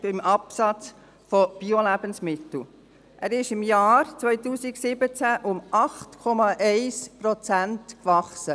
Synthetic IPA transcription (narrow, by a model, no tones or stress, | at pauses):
b̥ɪmʔɑpsɑt͡s | fɔb̥iɔlæbənsmɪtl̩ | ʔæɾɪʃɪmjɑːɾt͡svœʏtuːsɪksɪbət͡sæʔʊmʔɑχtkʰɔmɑʔɛɪspɾɔt͡sæntkvɑχsə